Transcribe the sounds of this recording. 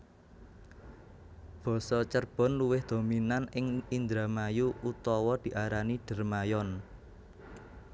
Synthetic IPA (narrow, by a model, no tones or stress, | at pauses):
b̥ɔ̤sɔt͡ʃərb̥ɔ̤nluwɪhd̪̥o̤minanɪŋind̪ɾamajuut̪ɔwɔd̪̥i̤ʔaɾaniɖ̥ə̤rmajɔn